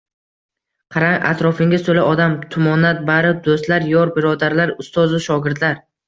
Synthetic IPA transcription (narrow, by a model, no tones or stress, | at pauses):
qʰɑɾaŋa̰t̪ɾɒfɪŋʲɪsolaʔɒd̪amt̪ʰʊmɒnat̪̚baɾɪd̪ost̪laɾjɒɾbɪɾɒd̪aɾlaɾʊst̪ɒzʊʃɒɡʲɪɾt̪laɾ